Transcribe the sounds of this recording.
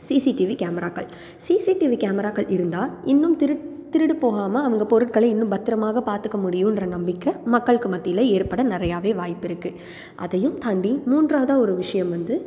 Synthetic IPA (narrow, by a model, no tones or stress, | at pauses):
siːsiʈɪʋikaːmɐɾaːkɐ̰ɭ | siːsiʈiʋikaːmɐɾaːkɐɭʔɪɾɯnd̪aːɪnːɯmt̪ɪt̪ɪɾɯɽɯpoːɣaːmɐːʋɐŋɡɐpɔɾɯʈ̚kɐɭɐɪnːɯmbɐt̪ːɯɾɐmaːɣɐpaːɾt̪ɯkːɐmʊɽɪjɯɪndrɐnɐmbɪkːɐmɐkːɐɭɯkːɯmɐt̪ːɪjlɐeːɾpɐɽɐnɪɾɐjaːʋeːʋaːjɪpːɪɾɯkːɯ | ʔɐ̰ðɐjɯmt̪ɐɳɖimuːndraːðaːɔɾɯʋɪʂɐjɐmʋɐnd̪ɯ